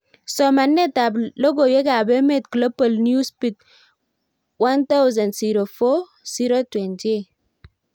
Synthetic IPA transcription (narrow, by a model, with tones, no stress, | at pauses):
sɔ˨ma˨nːe˦ta˨blo˦ɡo˨je˦ka˨be˦me˦tklo˦pə˨lnju˦spi˨t̚ | wa˦nt̪a˦wza˨ndsi˨ɾo˨fo˦ | si˦ɾo˦twɛ˨nti˦